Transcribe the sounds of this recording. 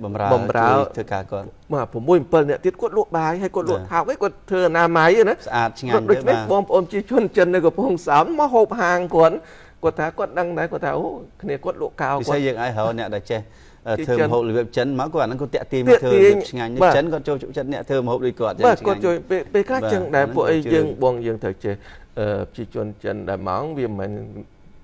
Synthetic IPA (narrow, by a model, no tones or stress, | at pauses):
ɓɑmraɓɑmra̰əəːka̰ːkŏət̪̚ɓaːpəmːuəjmpəlnɛ̆əʔt̪iət̪̚kɔ̆ət̪luəʔɓaːjɦaːjkoət̪̚lŭət̪ʰawk̚ʔeːkɔət̪̚t̪ʰːəːanaːmajənasʔaːt̪̚t͡ɕʰŋaɲɗoːt͡ɕʰnɛhɓʔɑːŋpə̆ʔoːnpʰə̥t͡ɕiət͡ɕʊənt͡ɕənːɨwkɔpoŋsaɔnnməɦoːp̚ɦaːŋkŏət̪̚n | kŏət̪ʰaːkŏət̪̚ɗəŋɗaɛkɔ̆ət̪ʰa̰ːʔokʰniəkŏət̪̚lŭəʔkawpiəeːjəːŋʔaːjɦənɛ̆əʔɗaɛlt͡ɕeh | ʔəːɨːəɦoːp̚liʋiəp̚t͡ɕənmawkɔːʔanɨŋkɔt̪ɛ̆əʔt̪iəɲmt̪iːəʔt̪ʰəːiəɲ̚t͡ɕʰŋaɲnɨaːənkoət̪̚t͡ɕoːlt͡ɕoʔt͡ɕət̪̚nɛ̆əʔt̪ʰəːməɦoːp̚ɗoːc̚kŏət̪̚t͡ɕaaːt͡ɕkoəɲoepeːlkʰlaːt͡ɕəŋɗaɛlnɨuəʔəjəːŋɓoəŋjəːŋt̪ʰəwt͡ɕehʔəːpʰə̥t͡ɕiət͡ɕʊ̆ənt͡ɕənɗaɛlma̰ɔŋʋiəmɛn